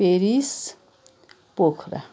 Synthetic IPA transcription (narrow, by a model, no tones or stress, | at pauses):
eɾis | pokʰɾa̰